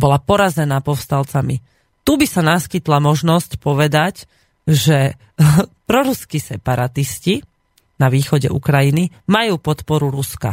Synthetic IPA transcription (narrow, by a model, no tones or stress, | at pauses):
bɔlapɔɾazɛnaːpɔfst̪alt͡sami | t̪ubisanaskit̪lamɔʒnɔscpɔʋɛd̪ac | ʒɛ | pɾɔɾuskisɛpaɾat̪isci | naʋiːxɔɟɛ̰ʔṵkɾajinimajuːpɔt̪pɔɾuɾuska̰